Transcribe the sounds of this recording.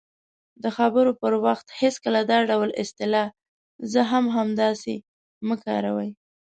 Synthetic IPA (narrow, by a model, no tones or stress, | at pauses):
d̪əxabəɾopəɾwaxt̪heskəlad̪ɑɖawlɪst̪ɪlɑ | zəɦamɦamd̪ɑse | məkɑ̰ɾa̰wəj